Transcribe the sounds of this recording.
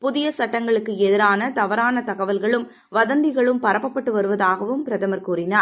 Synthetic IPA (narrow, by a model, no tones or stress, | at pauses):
pʊðɪjɐsɐʈːɐŋɡɐɭɯkːɯɛðɪɾaːnɐt̪ɐʋɐɾaːnɐt̪ɐɣɐʋɐlɣɐɭɯm | ʋɐðɐnd̪ɪɣɐɭɯmpɐɾɐpːɐpːɐʈːɯʋɐɾɯʋɐðaːɣɐʋɯmpɪɾɐðɐmɐɾkuːɾɪnaːɾ